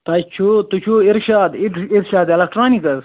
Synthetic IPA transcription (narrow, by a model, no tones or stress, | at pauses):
t̪ɐt͡ʃʰot̪ut͡ʃʰuiɾʃaːd̪iiɾʃaːd̪elɐk̚ʈɾaːnikɐz